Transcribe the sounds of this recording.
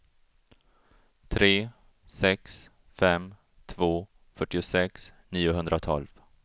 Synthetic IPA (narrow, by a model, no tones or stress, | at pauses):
t̪ʰɾeː | sɛks | fɛm | t̪ʰvoː | fœʈːɪʊsɛksniːʊɦɵnd̪ɾat̪ʰɔ̰lv̥